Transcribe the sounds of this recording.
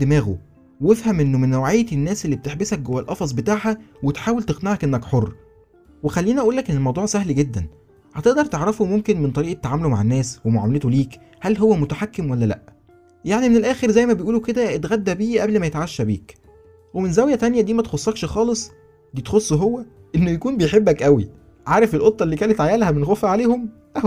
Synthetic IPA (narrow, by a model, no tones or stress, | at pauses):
d̪emæːɣo̰ | wefhæmʔenːomenːowʕejːæenːæːselːiːb̚t̪eħbesæk̚ɡowːælʔɑfɑzˤbet̪aːʕhæwet̪ħaːwelt̪eɣnæʕækʔenːækħorˤː | wexælːiːniʔæʔuːlːækʔenːelmɑwd̪ˤuːʕsæhlɡed̪ːæn | hæt̪eʔd̪ɑɾˤt̪eʕɾɑfomomkenment̪ˤɑɾiːʔet̪ːaʕaːmeluma̰ʕenːæːswemoʕa̰mælet̪oliːk | hælɦowːæmot̪æħakːemwælːælæ̰ʔ | jaʕnimenelʔæːxeɾzæjːmæbejʔuːluked̪æet̪ɣæd̪ːæbiːʔæblmæjet̪ʕaʃːæbḭːk | wemenzæwjæt̪ænjæd̪iːmæt̪xosˤːɑːkʃxɑːlesˤ | d̪iːt̪xosˤːɦowːæʔenːojækuːnbejħebːækʔæwḭ | ʕaːɾˤefelʔot̪ˤːɑlːiːkæːlet̪ʕajæːlhæbenxofæʕaleːhom | ʔæ